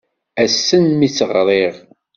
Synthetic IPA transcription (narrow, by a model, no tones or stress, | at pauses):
æsːənmit͡sːəʁɾˤeʁ